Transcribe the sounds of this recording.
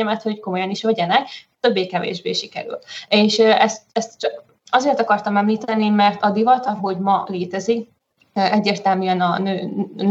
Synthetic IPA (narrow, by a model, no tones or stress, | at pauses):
ɛmɛt̪ho̞cko̞mo̞jɒniʃʋɛɟɛnɛkt̪ø̞bːeːkɛvḛːʒbḛːʃikɛ̰ɾy̰leːʃøʔɛst̪ɛst̪t͡ʃɒk | ɒzeːrt̪ɒkɒrt̪ɒmɛmliːt̪ɛnimɛrt̪ɒd̪ivɒt̪ɒɦo̞ɟmɒleːt̪ɛzik | øʔɛɟːeːrt̪ɛlmyɛnɒnøːn